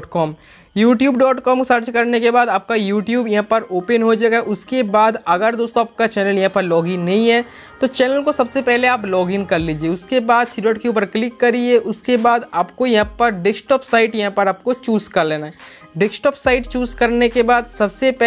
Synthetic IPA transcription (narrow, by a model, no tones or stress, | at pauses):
ʈkɔːm | juːʈjuːbɖɔːʈkɔːmksɐɾt͡ʃkɐɾnekebaːd̪aːp̚kajuːʈjuːbjɐɦãpɐɾoːpənɦod͡ʒaːɡaʔʊskebaːd̪ɐɡəɾd̪oːst̪õaːp̚kat͡ʃɛːnəljɐɦãpɐɾlɔːɡɪ̃ŋnɐɦĩɦɛ | t̪ot͡ʃɛːnəlkosɐbsepɛɦleaːplɔːɡɪ̃ŋɡkɐɾliːd͡ʒieːʊskebaːd̪siɖɔːʈkeuːpəɾklɪkːɐɾid͡ʒeʔʊskebaːd̪aːpkojɐɦãpəɾɖɪksʈɔːpsaːɪʈjɐɦãpəɾaːp̚kot͡ʃuːzkɐɾleːnaɦɛ | ɖɪksʈɔːpsaːɪʈt͡ʃuːzkɐɾnekebaːd̪sɐbsepɛ